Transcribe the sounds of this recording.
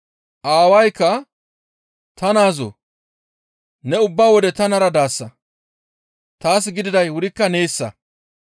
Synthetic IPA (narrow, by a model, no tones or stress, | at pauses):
ʔaːwɐjkːɐ | t̪ɐnaːzo̰ː | nɛʊbːaːwɔd̪ɛt̪ɐnɐɾɐd̪aːsːɐ | t̪aːsɡɪd̪ɪd̪ɐjwʊɾɪkːɐneːsːɐ̰